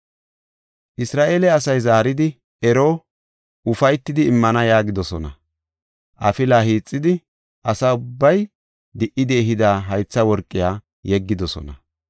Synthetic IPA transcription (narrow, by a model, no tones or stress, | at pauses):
ʔɪsɾaːʔe̞ːlɛɐsɐjzaːɾɪd̪ɪ | ɛɾoː | ʊfɐjt̪ːɪd̪ɪːmːɐnɐjaːɡɪd̪ɔsɔnɐ | ʔɐfɪlaːɦiːt͡sʼːɪd̪ɪ | ʔɐsaʊbːɐj | d̪ɪʔɪd̪ɪɛɦɪd̪aːɦɐjt͡sːɐwɔɾkʼːɪjaː | jɛɡːɪd̪ɔsɔ̰nɐ